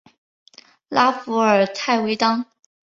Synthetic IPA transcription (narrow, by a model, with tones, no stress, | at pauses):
la˥fu˧˥ə˞˨˩t̪ʰa˥˩ɪwe˧˥ɪt̪ɑ˥ŋ